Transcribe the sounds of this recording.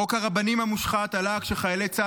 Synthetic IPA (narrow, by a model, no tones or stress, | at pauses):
okhaʁabanimhamuʃχat̪alakʃeχajelet͡sa